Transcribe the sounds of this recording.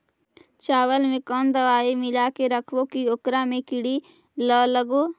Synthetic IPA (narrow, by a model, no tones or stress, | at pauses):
t͡ʃaːʋəlmẽkɔːnd̪əʋaːemɪlakeɾəkʰʋokioːkɾamẽkɪɽi | ləːləɡoː